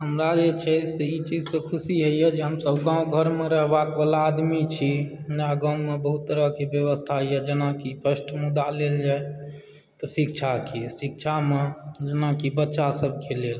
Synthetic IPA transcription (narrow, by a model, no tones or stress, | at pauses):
ɦəmɾad͡ʒet͡ʃʰɛseit͡ʃid͡ʒsẽkʰusiɦəijɛd͡ʒeɦəmsəbɡãːũɡʱəɾmeɾəɦbakbalaːd̪mit͡ʃʰi | naɡãũmebəɦut̪ːəɾəkebjəβəst̪ʰaɦjɛd͡ʒenakipəsʈʰmud̪aleld͡ʒae | t̪ɔsikt͡ʃʰakʰisik̚t͡ʃʰamed͡ʒenakibətːʃasəb̚ʱkelel